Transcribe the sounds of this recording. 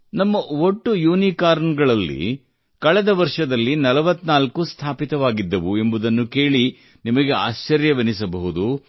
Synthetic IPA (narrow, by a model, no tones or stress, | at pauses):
nɐmːɐoʈːujuːnikaːɾnɡɐɭɐlːḭ | kɐɭɛd̪ɐʋɐɾʂɐd̪ɐlːinɐlɐʋɐt̪ːnaːlkust̪ʰaːpit̪ɐʋaːɡid̪ːɐʋue̞mbud̪ɐnːuke̞ːɭi | nimɐɡe̞a̰ːʃt͡ʃɐɾjɐʋɐnis̬ɐbɐɦud̪u